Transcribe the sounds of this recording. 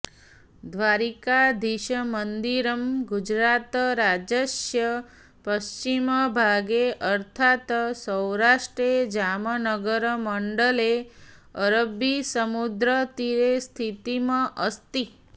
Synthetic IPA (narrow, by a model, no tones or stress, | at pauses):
d̪ʱʋaɾikad̪iʃəmənd̪iɾəmɡud͡ʒɾat̪ɾad͡ʒəʃjə | pəʃt͡ʃiməbʱaɡeʔəɾt̪ʰat̪səwɾaʃʈɾed͡ʒamənəɡəɾməɳɖəleəɾəbisəmud̪ɾət̪iɾest̪ʰit̪imãʔəst̪i